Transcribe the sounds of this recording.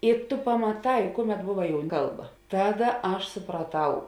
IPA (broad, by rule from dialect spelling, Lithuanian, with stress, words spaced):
ɪ ˈtʊ pɐmɐˈtɐɪ ˈkʊˌmʲɛt ˈbʊʋɐ ˈkɐlˠˌbɐ ˈtɑːˌdɐ ˈɐʃ sʊprɐˈtɐʊ